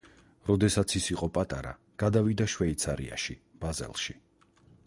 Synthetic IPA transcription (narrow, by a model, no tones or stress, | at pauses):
ɾɔd̪ɛsat̪sʰisiqʼɔpʼat̪ʼaɾa̰ | ɡ̥ad̪avid̪aʃwɛit̪sʰaɾḭa̰ʃib̥azɛ̰lˠʃi